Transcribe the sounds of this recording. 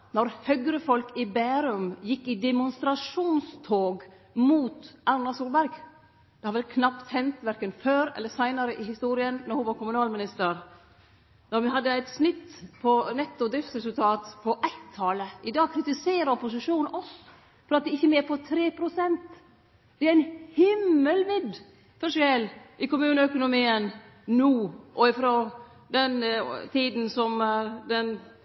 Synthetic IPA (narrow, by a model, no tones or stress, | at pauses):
nɔɾhœɡɾəfɔlkɪbæːɾʉmjɪkːɪd̪ɛmʊnst̪ɾɑʂuːnst̪ʰoːɡ | muːt̪ʔɑnːɑsuːlbæɾɡ | d̪̥ɛhɑɾʋɛlkʰnɑpt̪hɛnt̪ʋæɾkənføːɾɛ̰lːəsæɪnɑɾəʔɪhɪst̪uːɾɪənːɔɾhʊnʋɑɾkʊmʉnɑːlmɪnɪst̪əɾ | nɔɾʋɪhɑd̪ːəæɪt̪snɪt̪ːpʰɔnɛt̪ːʊd̪ɾɪft̪sɾɛsʉlt̪ʰɑːt̪pʰɔʔæɪt̪ʰːɑːləʔɪd̪ɑːɡ̚kʰɾɪt̪ɪseːɾəɔpʊs̬ɪʂuːnnɔs | fɔɾɑt̪̚d̪ɛɪçːəmeːɾpʰɔt̪ʰɾeːpʰɾʊsɛnt̪ | d̪ɛæɾɪnhɪmːəlmɪd̪ | fœʂɪɛlʔɪkʊmʉːnəœkʊnʊmiːən | nuːʔɔɪfɾɔ | d̪ɛnt̪ʰiːd̪n̩sɔmd̪ɛn